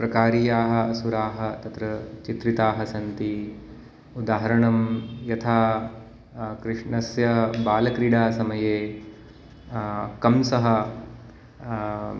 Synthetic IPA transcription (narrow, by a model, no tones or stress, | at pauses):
pɾɐkaːɾiːjaːɦɐ̆ɐsuɾaːɦɐ̆t̪ɐt̪ɾɐt͡ʃit̪ɾit̪aːɦɐsɐnt̪i | ud̪aːɦɐɾɐɳɐmjɐt̪ʰaː | kɾɪʂɳɐsjɐbaːlɐkɾiɽaːsɐmɐjeː | kɐmsɐɦɐ